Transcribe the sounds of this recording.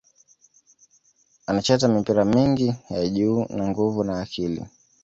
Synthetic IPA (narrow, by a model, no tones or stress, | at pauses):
anat͡ʃatamipiɾamiŋɡijaʄuːnaŋɡuvunaːkʰilḭ